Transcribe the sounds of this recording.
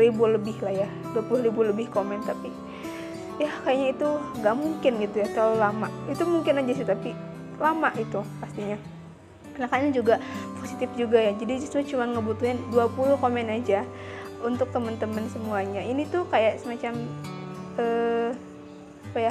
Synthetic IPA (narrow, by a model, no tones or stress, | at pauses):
ɾibuləbɪhlahja | duapuluribuləbɪhkomɛnt̪api | jahkajaʔɲait̪uŋɡaʔmuŋkɪnɡit̪ujat̪alamaʔit̪umuŋkɪnad͡ʒasɛt̪api | lamaʔit̪upast̪iɲa | kənakaɲad͡ʒuɡaposit̪ɪfd͡ʒuɡajad͡ʒadid͡ʒust̪at͡ʃumaŋəbut̪uɦanduapulʊhkomɛnad͡ʒa | unt̪ʊk̚t̪əmənt̪əmənsəmuaɲainit̪ukajaʔsəmat͡ʃam | ə | su̥paja